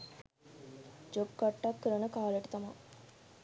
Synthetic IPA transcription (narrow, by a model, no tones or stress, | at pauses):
d͡ʒob̚kaʈːakːəɾənəkaːleʈit̪ɐma